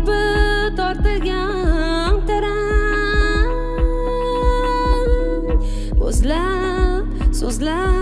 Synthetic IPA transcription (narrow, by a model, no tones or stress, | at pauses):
pɪ | t̪ʰɒɾt̪ɨɾɡʲa | nt̪ʰaɾa | ɵ̰zla | psɵzla